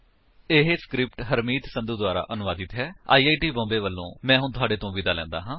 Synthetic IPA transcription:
ɪɦeskɾɪp̚ʈɦəɾmiːt̪sə̃nd̪uːd̪ʊaːɾa̰ːʔənʊʋaːd̪ɪt̪ɦɛːa̰ːiːaːiːʈiːbɔ̃ːmbeːʋəlːõ̰ːmɛ̃ːɦʊnt̪ʰʊaːɖeːt̪õːʋiːd̪aːlɛ̰̃ːnd̪a̰ːɦãː

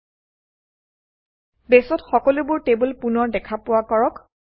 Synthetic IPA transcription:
besɔtxɔkɔlubʊɹtebʊlpunɔɹdɛkʰapʊwakɔɹɔk

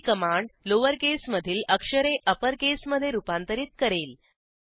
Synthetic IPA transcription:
kəmaɳɖloʋəɾkesməd̪ʱiːləkʂəɾeʔəpəɾkesməd̪ʱːjeɾupant̪əɾiːt̪̚kəɾel

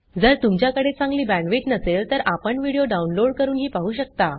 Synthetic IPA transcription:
d͡zəɾt̪umt͡ɕjakəɽet͡sãŋɡliːbæ̃ɳʋeʈnəselt̪əɾʔapəɳʋiɽijoɖaunloɽkəɾuːnɦiːpaɦuːɕək̚t̪a

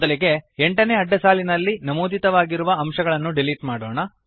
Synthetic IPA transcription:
d̪ɐliɡe̞eɳʈɐne̞ːɐɖːɐsaːlinɐlːinɐmuːd̪it̪ɐʋaːɡiɾuʋɐɐmʃɐɡɐɭɐnːuɖiliʈmaːɽoːɳɐ

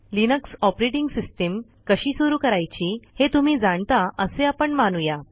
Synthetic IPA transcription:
linəksɔpɾeʈiŋɡsisʈem | kəɕiːsuɾuːkəɾajt͡ɕiːhet̪um̤iːd͡zaɳt̪aʔəseapəɳmanuja

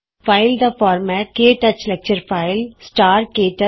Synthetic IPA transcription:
faɪld̪əfɔːɾmɛːʈ̚keːʈɐt͡ʃlɛk̚t͡ʃəɾfaɪlsʈaːɾkeːʈɐ

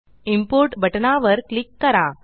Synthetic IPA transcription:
impoɾʈbɐʈɐnaːʋɐɾklɪkːɐɾãː

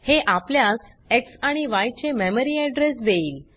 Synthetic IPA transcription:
heʔapljas | eksaɽ̃iʋajt͡ɕememəɾiɛɖɾesd̪eiːl

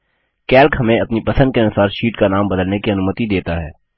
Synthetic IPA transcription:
kɛːlkɦɐmẽɐpnipɐsə̃d̪keɐnʊsaːɾʃiːʈkanaːmbɐd̪əlnekiɐnuːmət̪id̪eːt̪aɦɛː

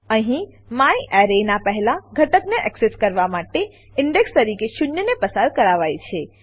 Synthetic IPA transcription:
əɦĩ | mãjʔɛɾenapəɦɛlaɡʱəʈəkneʔɛkseskəɾʋamaʈe | ɪɳɖekst̪əɾikeʃʊnjənepəsaɾkəɾaʋajt͡ʃʰe

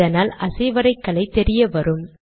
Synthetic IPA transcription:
ɐnaːlʔɐsɐɪʋɐɾɐɪkːɐɭɐɪt̪ɛɾɪjɐʋɐɾɯm

